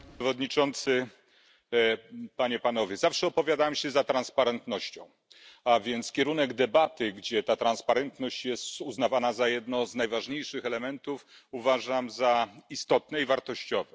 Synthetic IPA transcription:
ɛvɔd̪ɲit͡ʂɔnt̪sɘ | paɲɛpanɔvʲjɛzafʂɛɔpɔvʲjad̪awamɕɛzat̪ɾanspaɾɛnt̪nɔɕt͡ɕɔ̃w̃ | avʲjɛnt̪skʲɛɾunɛɡd̪ɛbat̪ɘɡd͡ʑɛt̪at̪ɾanspaɾɛnt̪nɔɕt͡ɕjɛst̪uznavanazajɛd̪nɔwznajvaʐɲejʂɘxɛlɛmɛnt̪ufuvaʐamzaist̪ɔt̪nɛivaɾt̪ɔɕt͡ɕɔvɛ

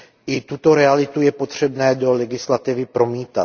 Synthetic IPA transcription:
ʔɪt̪ut̪o̞ɾɛalɪt̪ujɛpo̞t̪r̝̥ɛbnɛːdo̞lɛɡɪslat̪ɪvɪpɾo̞miːt̪a

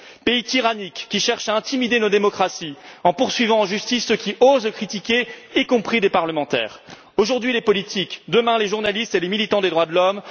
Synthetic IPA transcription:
peit̪iʁanikʲːiʃɛʁʃaɛ̃t̪imid̪enod̪emɔkχasiɑ̃puʁsɥivɑ̃ːʒyst̪isːəkʲiozkχit̪ikʲeikɔ̃pχid̪epaʁləmɑ̃t̪ɛ̰ːʁ | oʒuʁd̪ɥilepɔlit̪ikd̪əmɛ̃leʒuʁnalist̪elemilit̪ɑ̃d̪ed̪ʁwad̪əlɔm

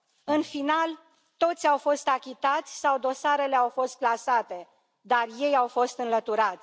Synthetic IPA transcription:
ɨnfinal | t̪o̞t̪sʲawfo̞st̪akʲit̪at̪sʲsawd̪o̞saɾe̞le̞awfo̞st̪̚plasat̪e̞ | d̪arje̞jawfo̞st̪ɨnlət̪uɾat̪sʲ

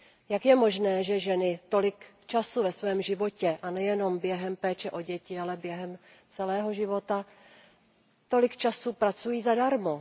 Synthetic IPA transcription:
jakjɛmo̞ʒnɛːʒɛʒɛnɪt̪o̞lɪk | t͡ʃasuvɛsvɛːmʒɪvo̞cɛʔanɛjɛno̞mbjɛɦɛmpɛːt͡ʃɛʔo̞ɟɛcɪalɛbjɛɦɛm | t͡sɛlɛːɦo̞ʒɪvo̞t̪a | t̪o̞lɪkt͡ʃasupɾat͡sujiːzadaɾmo

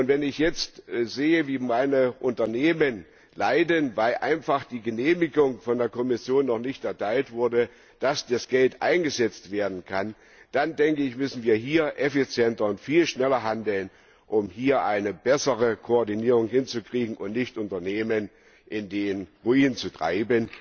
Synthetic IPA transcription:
ʔʊntv̥ɛnɪçjɛt͡stzeːəviːmaɪnəʔʊntɐneːmən | laɪdənvaɪlʔa̰ɪnfaχd̥iːɡəneːmɪɡʊŋfɔndeːɐkɔmɪsjoːnːɔχnɪçtɛɐtʰaɪltv̥ʊɐdə | d̥asd̥asɡ̥ɛltʔa̰ɪnɡəzɛt͡stv̥eːɐdn̩kʰan | d̥andɛŋkəɪçmʏsn̩viːɐɦiːɐʔɛfit͡sjɛntɐʊntfiːlʃnɛlɐɦandl̩n | ʔʊmhiːɐʔaɪnəbɛsəʁəkʰoɔɐdiniːʁ̞ʊŋɦɪnt͡sukʁ̥iːɡŋ̩ʊntnɪçtʔʊntɐneːmən | ʔɪndeːənʁuiːnənt͡sutʁ̥a̰ɪbən

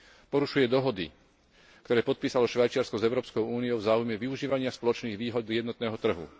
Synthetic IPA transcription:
pɔɾuʃujɛd̪ɔɦɔd̪ḭ | kt̪ɔɾɛːpɔt̪̚piːsalɔʃʋajt͡ʃɪaɾskɔzɛʊɾɔːpskɔʊuːnijɔʊvzaːujmɛʋiuʒiːʋaɲɪaspɔlɔt͡ʃniːɣʋiːɦɔd̪jɛd̪nɔt̪nɛːɦɔt̪r̩ɦṵ

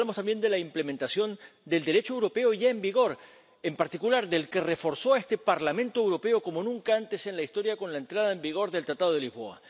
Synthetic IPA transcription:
lamost̪ambje̞nd̪e̞laimple̞ment̪asjo̞nd̪e̞ld̪e̞ɾe̞t͡ʃoewɾo̞pe̞o̞ʝaembiɣo̞ɾ | empaɾt̪ikulaɾðelke̞refo̞ɾso̞aest̪e̞paɾlamẽnt̪oewɾo̞pe̞o̞ko̞mo̞nũŋkaant̪e̞se̞nlaist̪o̞ɾjako̞nlaent̪ɾaðaembiɣ̞o̞ɾðelt̪ɾat̪aðo̞ðelizβo̞̰a̰

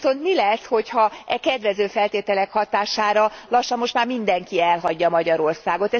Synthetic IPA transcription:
so̞nt̪milɛsho̞chɒɛkɛd̪ʋɛzøːfɛlt̪eːt̪ɛlɛkhɒt̪aːʃaːɾɒlɒʃːɒmmo̞ʃt̪maːrmind̪ɛŋkiɛlɦɒɟːɒmɒɟɒɾo̞rsaːɡo̞t̪ɛ

